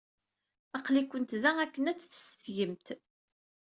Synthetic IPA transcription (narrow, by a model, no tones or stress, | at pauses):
ɑqlikʷənt̪ðæækːənæt͡sːθə̥st̪jəmt̪